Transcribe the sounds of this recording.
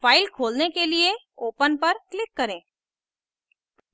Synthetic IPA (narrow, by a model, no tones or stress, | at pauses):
faːɪlkʰoːlnekelie | oːpənpɐɾklɪkːɐɾẽː